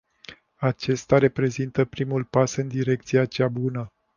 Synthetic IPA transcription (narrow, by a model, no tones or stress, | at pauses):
at͡ʃe̞st̪aɾe̞pɾe̞zint̪əpɾimulpasɨnd̪iɾe̞k̚t̪siat͡ʃabunə